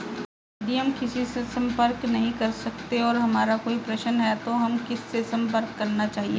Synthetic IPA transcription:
d̪iɦɐmkɪsisesɐ̃mpəɾknɐɦĩkɐɾsɐkt̪eɔːɾɦɐmaːɾakoːipɾɐʃənɦɛt̪oɦɐmkɪsːesɐ̃mpəɾkːɐɾnat͡ʃaːɦieː

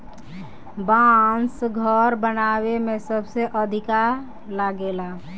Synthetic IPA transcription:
bansɡʱəɾbənaβemesəbʱseʔəd̪ʱikaɾ | laɡela

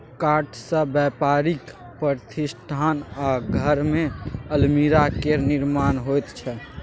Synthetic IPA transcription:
kaʈʰsə̃bjɛpaɾik | pəɾt̪ʰisʈʰanaɡʱəɾmeəlmiɾakeniɾmaːnɦojt̪t͡ʃʰɛ

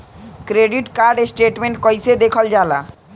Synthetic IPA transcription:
kɾeɖiʈkaɾɖesʈeʈmeɳʈ̚kɔjsed̪ekʰɔld͡ʑala̰

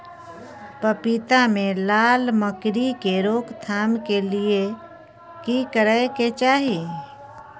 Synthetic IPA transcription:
pəpit̪amẽlaːlməkɾikeɾoːkt̪ʰaːmkelie | kikəɾəeket͡ʃaːɦie

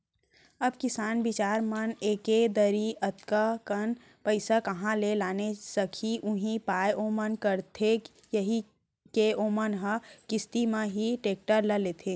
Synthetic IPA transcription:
ɐbkɪsaːnbɪt͡ʃaːɾməneːked̪əɾiɐt̪kakən | pəɪsakɐɦãlelaːnesəkʰiʔʊɦĩpaːjoːmənkəɾt̪ʰe | jəɦi | keoːmənɦə̃kɪst̪imãɦiʈeːk̚ʈəɾləleːt̪ʰeː

